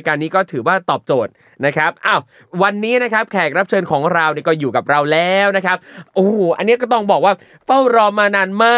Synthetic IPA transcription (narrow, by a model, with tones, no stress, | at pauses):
kaː˧nːiː˦˥kɔː˥˩t̪ʰɯː˩˦waː˥˩t̪ɔː˨˩p̚t͡ɕoː˨˩t̪̚ | na˦˥kʰɾa˦˥p̚ʔaː˧˩w | wa˧nːiː˦˥na˦˥kʰa˦˥p̚kʰɛː˨˩k̚ɾa˦˥p̚t͡ɕʰɤː˧nkʰɔː˩˦ŋɾa˧wni˥˩kɔː˥˩juː˨˩ka˨˩p̚ɾa˧wlɛː˦˥wna˦˥kʰa˦˥p̚ʔoː˨˩ʔa̰˧nːi˦˥kɔː˥˩t̪ɔ˥˩ŋbɔː˨˩k̚waː˥˩ | fa˥˩wɾɔː˧˩mːaː˧naː˧nmaː˥˩